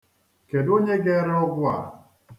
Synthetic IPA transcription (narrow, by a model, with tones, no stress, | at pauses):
ke˨do˦ɲe˦ɡɛ˦ɾɔ˦ɡwa̰˨